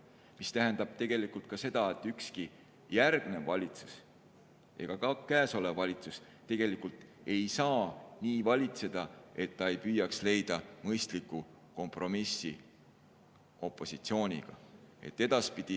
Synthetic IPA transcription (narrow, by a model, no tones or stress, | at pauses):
mist̪æɦend̪̥ɑb̥̚t̪e̞ɡ̥e̞likult̪̚kɑse̞d̪̥ɑe̞t̪ːˑykski | jærɡ̥ne̞vɑlʲit̪su̥s | ʔe̞̰ɡ̥ɑkɑkæːso̞le̞vːɑlʲit̪sus | t̪e̞ɡ̥e̞likult̪ˑ | e̞jsɑːniːvɑlʲit̪se̞d̪̥ɑe̞t̪ːɑe̞jpyːjːɑksle̞jd̪̥ɑmɤjst̪likːˑu | ko̞mpro̞misi | o̞pːˑo̞sit̪sio̞ːnʲḭɡ̥ɑ̰e̞̰t̪ːe̞d̪̥ɑspid̪̥i